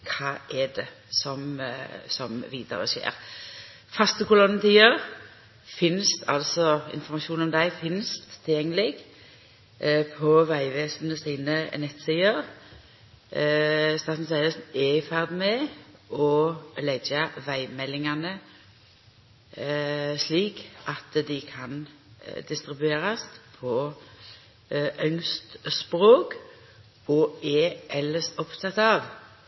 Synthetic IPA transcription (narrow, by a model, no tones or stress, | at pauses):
kʰɑːʔɛd̪ɛ | sɔmsɔmʋiːd̪̥ə̰ʁə̰ʃḛːʁ | fɑst̪əkʊlɔnːət̪ʰiːəʁ | fɪnst̪ʰɑ̰lsɔɪ̰nfɔɾmɑʃuːnɔmd̪æɪfɪnst̪ʰːɪljɛŋːəlɪɡ | pʰɔʋæɪʋeːsnəsiːnənɛt̪siːəʁ | st̪ɑːt̪n̩sæɪəsnɛɪfæʁd̪mɛɔlɛɡɑʋæɪmɛlːɪŋɑnə | sliːkʔɑt̪d̪ɪkʰɑn | d̪ɪst̪ʁɪbʉeːʁɑspʰɔ | ʔœŋst̪spʁoːk | ɔɛʔɛləsɔpt̪ʰɑt̪ɑʋ